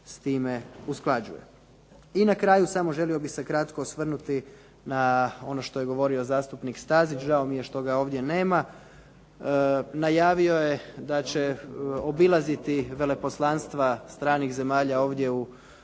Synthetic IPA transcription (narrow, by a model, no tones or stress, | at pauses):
st̪iːme̞usklˠad͡ʑṵjḛ | inakɾaːjusamo̞ʒe̞lio̞bixse̞kɾat̪kosʋr̩nut̪i | nao̞no̞ʃt̪o̞je̞ɡo̞ʋo̞ɾio̞zaːst̪upnikst̪aːzit͡ʃʒaomijeʃt̪o̞ɡao̞ːʋd̪je̞ne̞ːma | najaːʋio̞je̞d̪at͡ɕeobilˠazit̪iʋe̞le̞po̞slˠanst̪ʋast̪ɾaːnixze̞maːʎao̞ːʋd̪ʲje̞u